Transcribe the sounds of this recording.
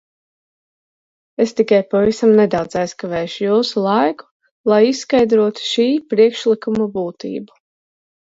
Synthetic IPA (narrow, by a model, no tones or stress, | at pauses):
est̪ikajpavisamnɛd̪awd̪zajskavɛːʃujuːsulˠajku̥ | lˠajisːkajd̪ɾuɔt̪u̥ʃiːpɾiɛkʃlˠikumabuːt̪ḭːbu